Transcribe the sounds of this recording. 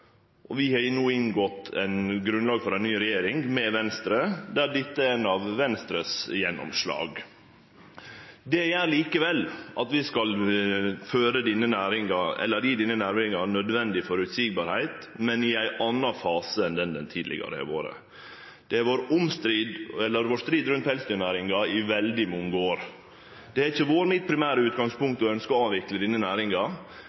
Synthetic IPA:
ʔɔʋɪhɑnuːɪnɡɔt̪ːʰæ̰ɪnɡɾʉnlɑːɡfɔɾæɪnnyːɾɛjeːɾɪŋmɛʋɛnst̪ɾəd̪æɖ̪ɪt̪ːəɛnɑʋʋɛnst̪ɾəsjɛnːɔ̰mʂlɑ̰ːɡ | d̪ɛjæːɾɭiːkəʋɛlːʔɑt̪ʋɪskɑl | føːɾəd̪iːnənæːɾɪŋɑɛ̰lːəɾjiːd̪iːnənæːɾʋɪŋɑnœd̪ʋɛnd̪ɪfɔɾʉt̪siːɡ̚bɑːɾhæɪt̪ | mɛnɪæɪʔɑnːɑfɑːsəɛnd̪ɛnd̪ɛnt̪ʰiːd̪lɪ̰ɡɑ̰ɾə̰æ̰ʋo̰ːɾə̰ | d̪̥ɛʋoːɾʊmst̪ɾiːd̪ɛlːəɾʋoːʂt̪ɾiːd̪ɾʉnt̪hɛlst̪ʏnæːɾɪŋɑɪʋɛld̪ɪmɔŋəoːɾ | d̪̥ɛæçəʋoːɾmɪt̪̚pʰɾɪmæːɾəʉːt̪̚ɡɑŋspʊŋk̚t̪ɔœnskɔɑːʋɪkləd̪iːnənæːɾɪŋɑ

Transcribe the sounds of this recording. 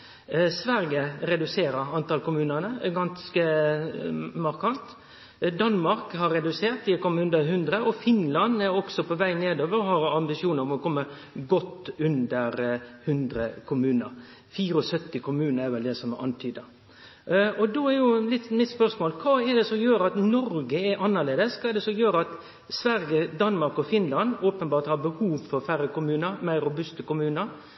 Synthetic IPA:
sʋæɾɡəɾɛd̪ʉseːɾəɾɑnt̪ɑlkʊmʉːnənəɡɑnskə | mɑɾkʰɑnt̪ | d̪ɑnmɑɾkhɑɾːɛd̪ʉseːɾt̪ɪkʰɔmːəʉnd̪əhʉnd̪ɾəɔfɪnlɑnɛɾɔksɔpʰɔʋæɪneːd̪oːʋəɾɔhɑɾɑmbɪsɪuːnəɾɔmɔkʰɔmːə | ɡɔt̪ːʉnd̪əɾhʉnd̪ɾəkʰʊmʉːnə̰ɾ | fiːɾəɔsœt̪ːɪkʰʊmʉːnəɾɛɾʋɛld̪ɛsɔmʔɑ̰nt̪ʰyːd̪ɑ | ɔd̪oɛɾjʊlɪt̪mɪt̪spœɾsmoːlkʰɑːɛd̪ɛsɔmjøːɾɑt̪nɔɾɡəɛɾʔɑnːəleːd̪əskʰɑɛd̪ɛsɔmjøːɾəɑt̪ | sʋæɾjəd̪ɑnmɑɾkɔfɪnlɑnoːpənbɑːɾt̪hɑɾbəhuːʋfɔɾfæɾːəkʊmʉːnəɾmæɪɾːʊbʉst̪əkʊmʉːnəɾ

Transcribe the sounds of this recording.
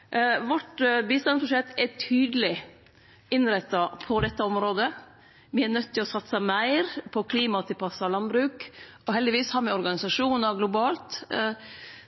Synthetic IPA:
ʋɔʈbiːst̪ɑnspɾʊʂɛt̪ːɛʈʰyːd̪əlɪ | ɪnɾɛt̪ːɑpʰɔd̪ɛt̪ːəɔmɾoːd̪ə | mɪɛɳœt̪ːɪlɔsɑt̪səmæɪɾpʰɔkʰliːmɑt̪ʰɪpʰɑsːɑlɑnbɾʉːk | ɔhɛld̪ɪʋiːshɑːɾmɛɔɾɡɑnɪsɑʂuːnəɾɡlʊbɑːlt̪

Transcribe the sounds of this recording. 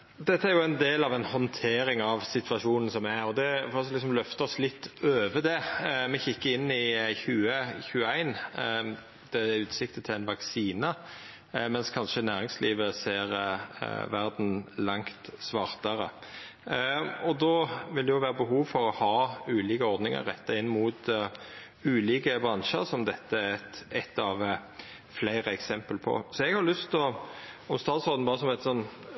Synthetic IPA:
d̪ɛt̪ːəæɾjʊæɪnd̪eːlɑʋɛnhɔnt̪ʰeːɾɪŋɑʋsɪt̪ʰʋɑʂuːnən̩sɔmːɛæɔd̪ɛfɔɔslɪksɔmlœft̪əɔslɪt̪ːøːʋəd̪ɛmɛçɪkːəɪnːɪçʉːəçʉːəæɪn | d̪̥ɛæʉːt̪sɪkt̪ət̪ʰɪlæɪnʋɑksiːnə | mɛnskʰɑnʂənæːɾɪŋsliːʋəseːɾ̰ | ʋæɾd̪n̩lɑŋt̪sʋɑʁt̪əɾə | ɔd̪ɔʋɪld̪ɛjʊʋæːɾəbəɦuːʋfɔɾɔhɑːʉːliːkəɔɾd̪nɪŋə̰ɾʁːɛt̪ːɑɪnːmuːt̪ | ʉːliːkəbɾɑnʃə̰ɾsɔmd̪ɛt̪ːəæɾɛt̪ɛt̪ːɑʋ | flæɪɾəɛksɛmpəlpʰɔ̰sɔɛɡhɑɾlʉst̪ɔɔmst̪ɑːt̪sɔɾd̪n̩bɑːɾəsɔmʋæɪt̪sɔnː

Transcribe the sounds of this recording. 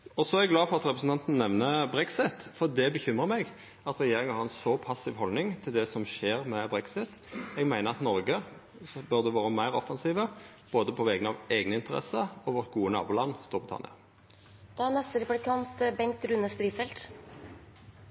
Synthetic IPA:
ɔsɔæʁɛɡlɑːfɔʁɑt̪ʁɛpɾsn̩t̪ʰɑnt̪n̩nɛʋnəbʁɛksɪt̪fɔʁd̪ɛbəçʏmʁəmɛɡ | ɑt̪ʁɛjeːɾɪŋənhɑʁɛnsɔpʰɑsːɪʋɦɔlnɪŋt̪ʰɪld̪ɛsɔmʃeːɾmɛbɾɛksɪt̪ | ɛɡmæɪnəʁɑt̪nɔɾɡə | bœʁd̪ɛʋɑːɾəmæɪɾɔfɑnsiːʋə | b̥oːd̪əpʰɔʋɛɡənɑʋeɡnəɪnt̪əʁɛ̰səɔʋɔʁt̪̚ɡuːənɑ̰ːbuːlɑnːst̪uːbʁɪt̪ʰɑ̰nɪ̰ɑ̰ | d̪̥ɛnɛst̪əɾɛplɪkʰɑnt̪bɛŋk̚t̪ɾʉnəst̪ɾiːfɛlt̪

